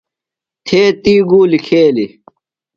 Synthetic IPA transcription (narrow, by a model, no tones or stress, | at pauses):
t̪ʰeːt̪iːɡuːlikʰeːli